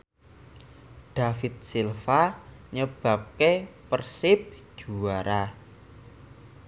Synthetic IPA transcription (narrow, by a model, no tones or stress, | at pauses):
ɖ̪̥a̤fɪt̪̚silfaɲəb̥a̤p̚kepərsɪp̚ʒ̥uaɾa